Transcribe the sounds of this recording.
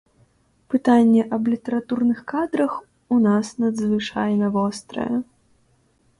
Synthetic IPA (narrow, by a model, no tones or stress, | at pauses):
pɨt̪anʲːɛʔɐblʲit̪ɛɾat̪urnɨxkad̪ɾɐx | unasnɐd̪zvɨt͡ʂajnɐvɔst̪ɾɐ̰jɛ